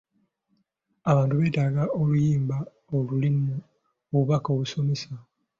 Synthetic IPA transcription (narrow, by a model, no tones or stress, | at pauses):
aβaːntuβe̞ːtaɡaolujiːmba | olulinːo | oβuβakoːβuso̞me̞sa